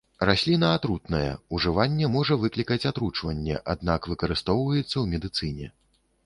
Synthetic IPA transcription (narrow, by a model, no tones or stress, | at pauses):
rasʲlʲinɐːt̪ɾut̪nɐjɛ̰uʐɨvanʲːɛmɔʐɐvɨklʲikɐt͡sʲat̪ɾut͡ʂvɐnʲːɛ̰ʔad̪̚nakvɨkɐɾɨst̪ɔwvɐjɛt̪sːɐwmʲɛd̪ɨt̪sɨnʲɛ̰